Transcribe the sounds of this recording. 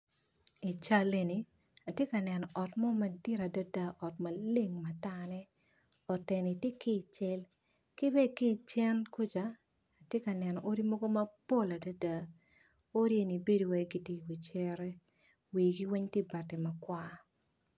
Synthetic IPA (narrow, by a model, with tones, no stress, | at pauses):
i˨t͡ʃa˦le˨ni˨ | a˨tje˦ka˨nɛ˨nɔ˨ʔɔ˨tmɔ˦mɐ˨di˦ɾa˨da˦da˦ʔɔ˨tma˨le˦ŋma˨ta˦nɛ˦ | ɔ˨tɛ˨ni˨te˦ki˦˨t͡ʃɛ˦l | kɪ˦bɛ˦ki˦˨t͡ʃɛ˦nku˦t͡ʃaː˨˦˨ | tje˦ka˨nɛ˨nɔ˨ʔo˦ɾi˦mɔ˦ɡo˦mɐ˦po˦˨la˨da˦da˨ | o˦ɾi˦e˦ni˨be˦do˨wɛ˨ɡi˨ti˦˨wi˨t͡ʃɛ˦ɾɛ˦ | wi˨ɡi˦wi˦ɲti˦ba˨te˨mɐ˨kwa˦